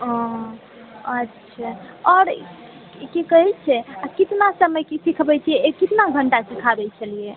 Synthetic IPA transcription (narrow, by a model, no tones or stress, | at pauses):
ɔ̃ | ətːʃʰaɔɾ | kekəɦɛt͡ʃʰɛakit̪nasəməjkesikʰbɛt͡ʃʰijɛekit̪naɡʱəɳʈasikʰabɛt͡ʃʰəlije